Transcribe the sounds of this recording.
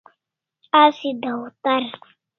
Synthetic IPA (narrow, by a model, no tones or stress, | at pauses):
asid̪autaɾ